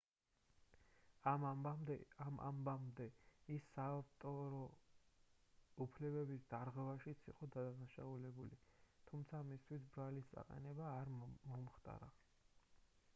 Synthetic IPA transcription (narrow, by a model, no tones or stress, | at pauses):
amʔa̰mbamd̪ɛisːaaft̪ʼɔɾɔ | upʰlɛbɛbisd̪aɾʁwɛvaʃit̪sʰḭqʼɔd̪ad̪anaʃaulɛbulit̪ʰumt̪sʰamist̪ʰwis̬bɾalist̪sʼa̰qʼɛ̰nɛbaːɾmɔmχt̪ʼa̰ɾa